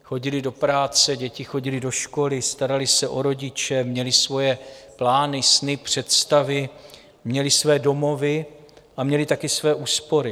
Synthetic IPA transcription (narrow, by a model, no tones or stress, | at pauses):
xoɟɪlɪdo̞pɾaːt͡sɛɟɛcɪxo̞ɟɪlɪdo̞ʃko̞lɪst̪aɾalɪsɛʔo̞ɾo̞ɟɪt͡ʃɛmɲɛlɪsvo̞jɛplaːnɪsnɪpr̝̥ɛt̪st̪avɪ | mɲɛlɪsvɛːdo̞mo̞vɪ | ʔamɲɛlɪt̪akɪsvɛːʔuːspo̞ɾɪ